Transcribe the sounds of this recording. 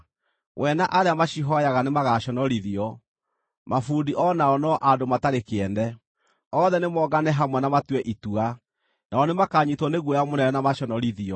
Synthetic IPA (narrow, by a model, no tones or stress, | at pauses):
wʔɛnaʔaɾeamaɕiɦɔjaɣanemaɣaɕɔnɔɾiðiɔ | mafuːndiʔɔnaɔnɔʔadomataɾekeɛndɛ | ɔðɛnemɔɡanɛɦamwɛnamatwɛʔitua | naɔnemakaɲitwɔneɣwɔjamonɛnɛnamaɕɔnɔɾiðiɔ